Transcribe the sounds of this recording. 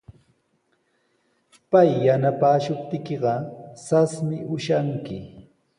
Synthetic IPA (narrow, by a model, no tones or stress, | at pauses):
pajːanapaːʃʊp̚t̪ɪkɪɢɑsasmɪʔʊʃaŋkɪ